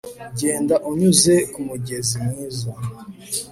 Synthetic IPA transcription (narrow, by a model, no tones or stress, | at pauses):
ɟe̞ːndaʔuɲuze̞kumuɟe̞zimwiːza